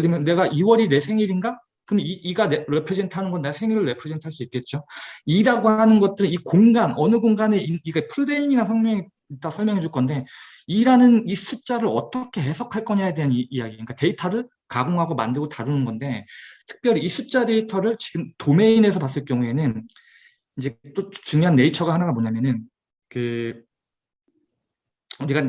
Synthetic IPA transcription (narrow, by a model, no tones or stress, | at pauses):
ɭːimjʌnːe̞ɡaʔiwʌɾine̞sʰe̞ŋiɾinɡa | kɯmiiɡaneɾe̞pʰɾɯd͡ʑentʰanɯnɡʌnːesʰe̞ŋiɾɯɭːe̞pʰɾɯd͡ʑentʰaɭs͈uip̚k͈e̞t̚t͡ɕ͈oiɾaɡoɦanɯnɡʌt͈̚ɯɾɯnikoŋɡanʌnɯɡoŋɡane̞iniɡapʰuɭːe̞iŋinasʰʌnmjʌŋ | it͈asʰʌɭmjʌŋɦe̞d͡ʑuɭk͈ʌnde̞ | iɾanɯnisʰut͡ɕ͈aɾɯɾʌt͈ʌkʰe̞ɦe̞sʰʌkʰaɭk͈ʌɲajadeɦanijaɡiɲik͈ate̞itʰʌɾɯɭ | kaɡoŋɦaɡoma̰ndɯɭɡotaɾunɯnɡʌnde̞tʰɯ̥k̚p͈jʌɾiːsʰut̚t͡ɕ͈ade̞itʰʌɾɯɭt͡ɕi̥ɡɯmtome̞ine̞sʰʌpas̬͈ɯɭk͈jʌŋue̞nɯn | ind͡ʑe̞t͈ot͡ɕuŋjoɦanːe̞it͡ɕʰʌɡahanaɡamoɲamjʌnɯn | kɯ | uɾiɡa